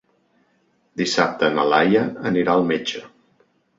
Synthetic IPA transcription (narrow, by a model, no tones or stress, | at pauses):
d̪isap̚t̪əːnəlajəəniɾaəlˠmed͡ʒə